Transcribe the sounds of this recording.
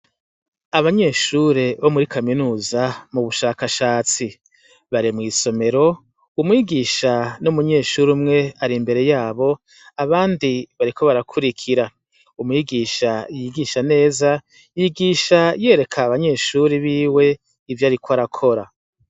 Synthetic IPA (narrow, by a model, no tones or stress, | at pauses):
aβaɲe̞ːʃuɾe̞βomuɾikʰaminuːzamuβuʃaːkaʃaːt͡si | βaɾimŋiːso̞me̞ɾo̞ | umŋiːɡiːʃanumuɲe̞ːʃuɾumŋe̞aɾimbe̞ɾe̞jaːβo̞ | aβaːndiβaɾikʰo̞βaɾakʰuɾikʰiɾa | umŋiːɡiːʃajiɡiʃane̞ːza | jiɡiːʃaje̞ɾe̞kʰaβaɲe̞ːʃuɾiβiːwe̞ | ivjaːɾikwaɾakʰo̞ɾa